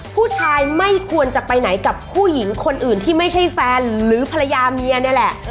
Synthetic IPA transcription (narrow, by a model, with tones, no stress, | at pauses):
pʰuː˥˩t͡ɕʰaː˧jma˥˩jkʰu˧ənt͡ɕa˨˩pa˧jna˩˦jka˨˩ppʰːuː˥˩ji˩˦ŋkʰo˧nʔɯː˨˩nt̪ʰiː˥˩ma˥˩jt͡ɕʰa˥˩jfɛː˧nɾɯː˩˦pʰa˧la˧jaː˧mi˧ɐni˥˩lɛ˨˩ʔ